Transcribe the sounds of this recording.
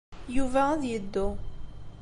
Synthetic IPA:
juvææðjəd̪ːu

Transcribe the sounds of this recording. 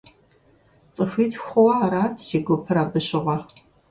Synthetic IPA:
t͡sʼɨfʷiːtxʷʊwɐːɾaːtsiːɡʷʊpʰɨɾaːbɨɕɪʁʷɐ

